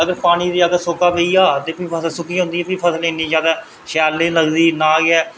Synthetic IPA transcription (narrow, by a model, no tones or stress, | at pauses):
əɡəɾpaːɽ̃iːd̪iːəɡəɾsoːkaːpeːiːaːt̪eːpĩːpʰəsəlsʊkiːɦõːnd̪iːɛːpiːpʰəsəlɪnːiːd͡ʒjaːd̪aː | ʃɛːlːeːləɡd̪iːnaːɡɛː